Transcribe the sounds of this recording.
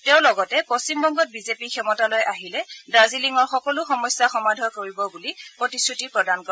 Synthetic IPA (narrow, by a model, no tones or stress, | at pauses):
tɛʊ̃lɔɡɔtɛposimbɔŋɡɔt̚bizepikʰɛmɔtalojʔaɦilɛbɹaziliŋɔɹxɔkɔlʊxɔmɔjsːaxɔmadʱɔɹkoɹibɔbulipɹɔtisutipɹɔdankɔɛ